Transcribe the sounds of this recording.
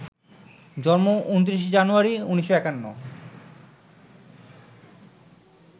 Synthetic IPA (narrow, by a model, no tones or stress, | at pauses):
d͡ʑɔnmoʔunt̪ɾiʃ̬d͡ʑanuaɾiuniʃoɛkanːo̰